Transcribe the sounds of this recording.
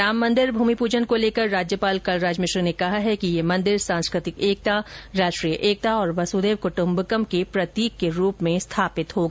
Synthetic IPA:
ɾaːmːɐ̃nd̪ɪɾbʱuːmipuːd͡ʒənkoleːkəɾːaːd͡ʒjəpaːlkɐlɾaːd͡ʒmɪʃɾinekɐɦaɦɛkijemɐ̃nd̪ɪɾsãːñskɾɪt̪ɪkeːk̚t̪aɾaːʃʈɾiːjəʔeːk̚t̪aɔːɾʋɐsuːd̪eːʋkʊʈʊ̃mbkəmkepɾɐt̪iːkːeɾuːpmẽst̪ʰaːpɪt̪ɦoɡa

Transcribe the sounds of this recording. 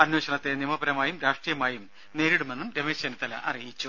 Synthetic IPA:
ɐnweːɕɐɳɐt̪ːenimɐbɐɾɐmaːjumɾaːʂʈrijɐmaːjum | ne̞ːɾiɽumenːumɾemeɕɐnɐt̪ːɐlɐ̰ʔɐ̰rijit͡ɕːu

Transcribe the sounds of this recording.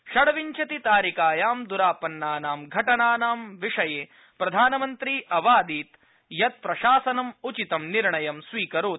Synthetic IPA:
ʃɐɽɐʋiɲt͡ʃɐt̪it̪aːɾikaːjaːmd̪uɾaːpɐnːaːnaːmɡʱɐʈɐnaːnaːmʋiʂɐjeː | pɾɐd̪ʱaːnɐmɐnt̪ɾiːʔɐʋaːd̪iːt̪ | jɐt̪̚pɾɐʃaːsɐnɐmut͡ʃit̪ɐmniɾɳɐjɐmsʋiːkɐɾuː

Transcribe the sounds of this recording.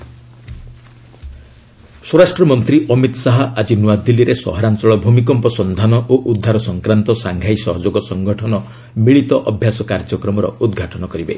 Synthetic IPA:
swoɾasʈɾɔmɔnt̪ɾiʔɔmit̪saɦɔʔad͡ʒinuad̪ilːiɾesɔ̰ɦɔɾant͡ʃɔɭɔbʱumikɔmpɔsɔnd̪ʱanɔʔoʔud̪ʱːaɾɔsɔŋkɾant̪ɔsaŋɡʱaisɔɦɔd͡ʒoɡɔsɔŋɡʱɔʈʰɔnɔ | miɭit̪ɔʔɔbʱjasɔkaɾd͡ʒɔkɾɔmɔɾɔ̰ud̪ɡʱaʈɔnɔkɔɾibḛ

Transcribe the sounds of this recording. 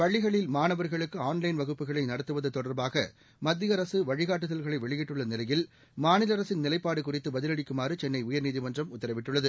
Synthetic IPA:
pɐɭːɪɣɐɭɪlmaːnɐʋɐɾɣɐɭɯkːɯaːnlɐɪnʋɐɣɯpːɯɣɐɭɐɪnɐɽɐt̪ːɯʋɐðɯt̪ːɔɽɐɾbaːɣɐ̰ | mɐd̪ːɪjɐɾɐsɯʋɐɻɪɣaːʈ̬ːɯðɐlɣɐɭɐɪʋɛɭɪjɪʈːɯɭːɐnɪlɐjɪl | maːnɪlɐɾɐsɪnnɪlɐɪpːaːɽɯkʊrɪt̪ːɯbɐðɪlɐɽɪkːɯmaːrɯt͡ʃɛnːɐɪʊjɐɾniːðɪmɐndrɐmʊt̪ːɐɾɐʋɪʈːɯɭːɐðɯ

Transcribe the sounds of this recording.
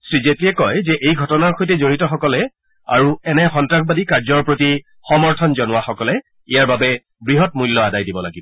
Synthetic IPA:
sɹizetiɛkɔjzɛʔejɡʱɔtɔnaɹxojtɛzoɹitɔxɔkɔlɛ | a̰ɹuɛnɛxɔntɹakʰbadikaɹzɔɹpɹoti | xɔmɔɹtʰɔnzɔnʊwaxɔkɔlɛ | ijaɹbabɛ | bɹiɦɔt̚mujlːɔadajdibɔla̰ɡibɔ

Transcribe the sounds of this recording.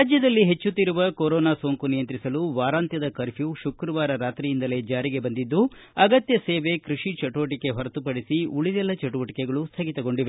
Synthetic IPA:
ad͡ʒjɐd̪ɐlːiɦe̞t͡ʃːut̪ːiɾuʋɐkoɾɔːnaːsoːŋkunijɐnt̪ɾisɐluʋaːɾaːnt̪jɐd̪ɐkɐɾpjuʃukɾɐʋaːɾɐɾaːt̪ɾijind̪ɐle̞ːd͡ʒaːɾiɡe̞bɐnd̪id̪ːuɐɡɐt̪jɐseːʋe̞kɾuʂit͡ʃɐʈuʋɐʈikːe̞ɦɐɾɐt̪upɐɽisiuɭid̪ɛlːɐt͡ʃɐʈuʋɐʈi̥kɛɡɐɭust̪ʰɐɡit̪ɐɡo̞ɳɖiʋe

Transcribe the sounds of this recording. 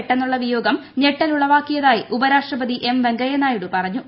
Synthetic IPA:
ʈːenːuɭːɐʋijo̞ːɡɐmne̞ʈːɐluɭːɐʋaːkːijɐðaːjiʔubɐɾaːʂʈrɐbɐd̪iʔe̞mʋeŋɡɐjɐnaːjuɽupɐrɐɲːu

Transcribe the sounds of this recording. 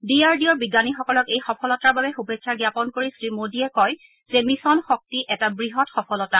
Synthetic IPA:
diaɹdiɔɹbiɡanixɔkɔlɔkejxɔpʰɔlɔtaɹbabɛxubeksʰaɡjapɔnkoɹisɹimodiɛkɔj | zɛmisɔnxɔk̚tiʔɛtabɹiɦɔtxɔpʰɔlɔta

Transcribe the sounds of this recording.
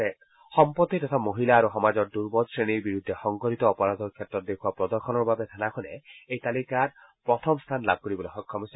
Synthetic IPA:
e | xɔmpɔt̪ːit̪ɔt̪ʰamoɦilaːɾuxɔmad͡ʒɔɾd̪uɾbɔdsɹeɽ̃iɾbiɾud̪ʱːexɔŋkɔɾit̪ɔːpɔɾad̪ɔɾkʰjet̪ɾɔt̪̚d̪ekʰuapɾɔd̪ɔɾxʰɔnɔɾbabet̪ʰanakʰɔnḛejt̪alikat | pɾɔt̪ʰɔmst̪ʰanlab̚kɔɾibɔloxɔkʰːɔmɔsi

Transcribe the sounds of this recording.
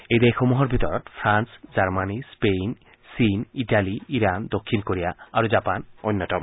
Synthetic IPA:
ejd̪ejxomuɦɔɾbʱit̪ɔɾɔt̪pʰɾansd͡ʑaɾmanispen | siniʈaliiɾand̪okʰːinkoɾija̰aɾod͡ʑapanojnːɔtɔm

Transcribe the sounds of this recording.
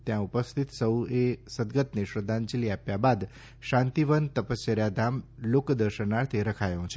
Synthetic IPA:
t̪jãupəst̪ʰit̪səwesəd̪ɡət̪neʃɾəd̪ʱːãnt͡ʃiliapjabad̪ | ʃãnt̪iʋənt̪əpəsjəɾjad̪ʱamlokd̪əɾʃənaɾt̪ʰeɾəkʰajõt͡ʃʰe

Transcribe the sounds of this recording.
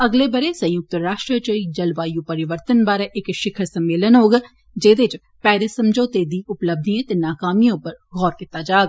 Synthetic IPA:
ɐɡlebɐɾesɐ̃j̃jʊk̚t̪əɾaːʃʈɾət͡ʃəid͡ʒɐlʋaːjũpɐɾɪʋəɾt̪ənbaːɾeʔekʃɪkʰəɾsɐmːeːlənɦoːɡ | d͡ʒeːd̪et͡ʃ | pɛːɾesɐ̃md͡ʒʱoːt̪eːd̪iʊpləbd̪niẽt̪enaːkaːmijõpɐɾɡʱɔːɾkɪt̪aːd͡ʒaːɡ

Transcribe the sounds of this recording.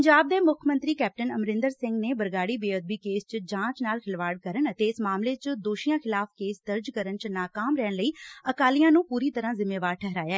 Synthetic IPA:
ɲd͡ʒaːb̚d̪eːmʊkʰmə̃nt̪ɾiːkɛːp̚ʈənəmɾɪ̃nd̪əɾsɪ̃ŋɡneːbəɾɡaːɽiːbeːəd̪̚biːkeːst͡ʃd͡ʒãːt͡ʃnaːlxʰɪlʋaːɽkəɾəɳət̪eːɪsmaːmleːt͡ʃd̪oːʃijãːxʰɪlaːfkeːsd̪əɾd͡ʒkəɾənt͡ʃnaːkaːmɾɛːɳləiːəkaːlijãːnũːpuːɾiːt̪əɾãːzɪmeːʋaːɾʈʰɛɦɾaːjaːɛː

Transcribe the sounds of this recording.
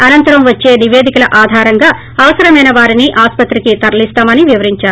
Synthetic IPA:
ɐnɐnt̪ɐɾɐmʋɐt͡ʃːe̞ːniʋeːd̪ikɐlɐʔaːd̪ʱaːɾɐŋɡaː | ɐʋɐsɐɾɐmɐjnɐʋaːɾiniʔaːspɐt̪ɾikit̪ɐɾɐlist̪aːmɐniʋiʋɐɾiɲt͡ʃaːɾu

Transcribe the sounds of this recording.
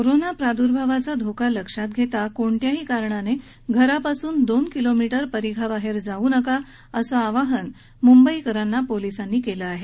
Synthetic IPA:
koɾonapɾad̪uɾbʱaʋat͡sad̪ʱokaləkʂat̪̚ɡʱet̪akoɳʈ̪jaɦiːkaɾɳane | ɡʱəɾapasuːnd̪onkilomiʈəɾpəɾiɡʱabaɦeɾd͡zauːnəka | əsaaʋaɦən | mumbəikəɾanːapolisanːiːkeləaɦe

